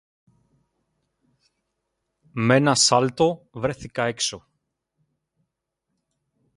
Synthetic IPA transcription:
me̞nɐsɐlt̪o̞vɾe̞θikɐekso̞

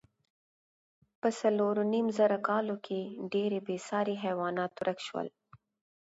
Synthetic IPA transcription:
pəsaloɾonimzəɾakɑːlokʰeɖeɾebesɑːɾiɦɛwɑːnɑt̪ʊɾʔakʃwə̰l

